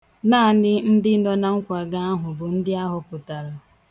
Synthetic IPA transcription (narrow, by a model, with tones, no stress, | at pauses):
naː˦˨nɪ˦n̩˦dɪ˦nɔ˦na˨ŋ̩˦kʷa˨ɡa˦a˦ɦʊ˨bʊ˨n̩˦dɪ˦a˦ɦʊ˨pʊ˨ta˨ɾa˨